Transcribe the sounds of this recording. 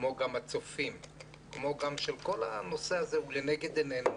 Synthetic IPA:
mo̞ɡamat͡so̞fim | kmo̞ɡamʃelko̞la̰no̞seazeuleneɡe̞d̪enen

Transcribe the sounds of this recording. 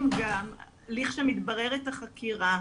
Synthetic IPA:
mɡam | liχʃemit̪baʁeʁet̪aχakʰiʁa

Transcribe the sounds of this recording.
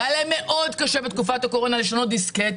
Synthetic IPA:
aleme̞ʔo̞d̪kaʃebet̪kufat̪ako̞ʁo̞naleʃonod̪isket̪

